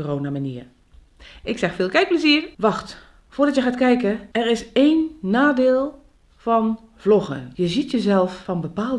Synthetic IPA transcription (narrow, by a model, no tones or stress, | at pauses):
roːnamaniːr | ʔɪksɛxfɪːlˠkɛjk̚pləziərʋɑxt | foːdɑtjəχaːtkɛjkəɛrɪseːnːaːdeːlˠ | vɔn | v̥lɔxə̰njəzitjəzɛlˠfːɔnbəpaːlˠ